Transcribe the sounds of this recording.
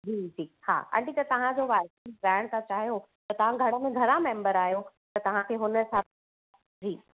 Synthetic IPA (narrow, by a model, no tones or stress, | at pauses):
d͡ʑiːd͡ʑiːha̰ːka̰ːɳʈit̪ɐt̪ɐʋ̤ãd͡ʑoʋaːɪsɪsɾaːɽ̃t̪ʰãt͡ɕaːɦijo | t̪ɐt̪ɐʋ̤ãɡʱɐɽ̃əmẽɡʱɐɾãmẽːmbəɾaːɦijo | t̪ɐt̪ɐʋ̤ãkʰeɦʊnə̆sã | d͡ʑiː